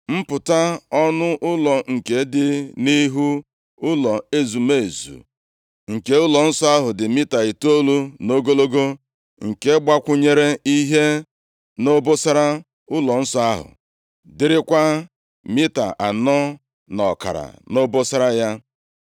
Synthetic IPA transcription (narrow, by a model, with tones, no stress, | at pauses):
m̩˦pʊ˨ta˦ɔ˦nʊ˦ʔʊ˦lɔ˨ŋ̩˨ke˨˦dɪ˨ni˦ɦu˦ | ʊ˦lɔ˨e˦zu˨me˨e˨zṵ˨ | ŋ̩˨ke˨ʊ˦lɔ˨n̩˦sɔ˦a˦ɦʊ˨dɪ˨mi˦ta˨i˨to˦lu˦no˦ɡo˦lo˦ɡo˦ | ŋ̩˨ke˦ɡ͡ba˦kʷʊ˦ɲe˦ɾe˦i˦ɦe˦ | no˦bo˦sa˦ɾa˦ | ʊ˦lɔ˨n̩˦sɔ˨a˦ɦʊ̰˨ | dɪ˦ɾɪ˦kʷa˦ | mi˦ta̰˨ʔa˨nɔ˦ | nɔ˨ka̰˨ɾa̰˨no˦bo˦sa˦ɾa˦ja˦